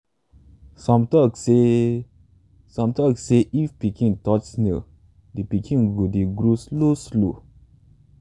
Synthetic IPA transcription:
samt̪ɔkse | sãmt̪akseʔifpikĩŋtɔt͡ʃni | d̪ipikʰĩŋɡud̪iɡɾusloslo

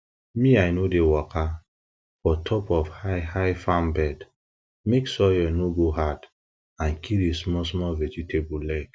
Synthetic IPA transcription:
mĩajnodewɔka | fɔtʰɔpɔfhahajfãmbɛd | meksɔjɛnoɡoɦad | ãnkʰiɾesmɔsmɔlvɛd͡ʒitʰebulɛk

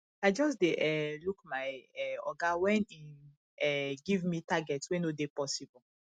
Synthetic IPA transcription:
aɪd͡ʒɔs̬deʔɛlukmaɪɛɔ̰ɡawɛ̃ni | ɛɡivmitaɡɛtswɛ̃nodepɔsibɔ

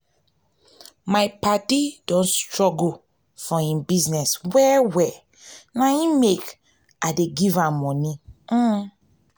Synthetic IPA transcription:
majpatidõnstɹɔɡo | fɔĩmbiznɛswɛwɛ | naĩmek | adeɡivamɔni

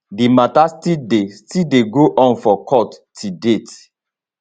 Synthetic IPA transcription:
dimatastidestideɡoʔɔ̃nfɔkʰɔttʰidet

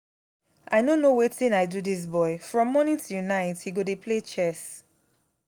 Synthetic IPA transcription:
ʔaɪnonowetĩnaɪduðis̬bɔɪfɹɔ̃mːɔnɪ̃tʰunaɪthiɡodepʰlet͡ʃɛs

